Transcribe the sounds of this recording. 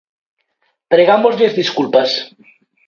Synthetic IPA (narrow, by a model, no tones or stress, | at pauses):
pɾeɣamozlezðiskulpas